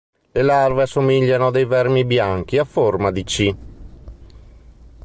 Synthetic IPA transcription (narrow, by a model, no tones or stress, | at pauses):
lelarveasomiʎːanod̪ejvɛrmibjaŋk̟iafːormad̪it͡ʃi